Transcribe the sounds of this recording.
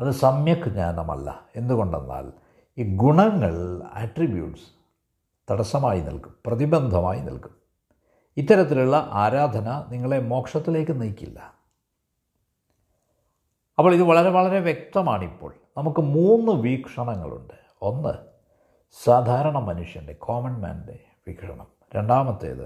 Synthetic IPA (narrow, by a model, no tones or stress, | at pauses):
ɐðɨsɐmjɐkːɨɲa̰ːnnɐmɐ̰lːɐ̰e̞nd̪uɣo̞ɳɖe̞̰nːa̰ːl | iːɡuɳɐŋːɐɭɐ̰ʈribjṵːʈs | t̪ɐɽɐsɐmaːjinḭlku̥mprɐðibɐnd̪ʱɐma̰ːjinḭlkum | it̪ːɐɾɐt̪̬ːiluɭːɐʔaːɾaːd̪ʱɐnɐniŋːɐɭe̞mo̞ːkʂɐt̪ːile̞ːkːɨnijkʲːḭlːɐ | ɐpːoːɭiðɨʋɐɭɐɾe̞ʋɐɭɐɾe̞ʋjek̚t̪ɐmaːɳipːo̞̰ːɭnɐmukːɨmuːnːɨʋiːkʂɐɳɐŋːɐ̰ɭṵɳɖɨ | o̞nːɨ̰ | saːd̪ʱaːɾɐɳɐmɐnuʂjɐnde̞kʰoːmɐnma̰ːnde̞ | ʋḭːkʂɐ̰ɳɐm | ɾeɳɖaːmɐt̪ːḛːðɨ̰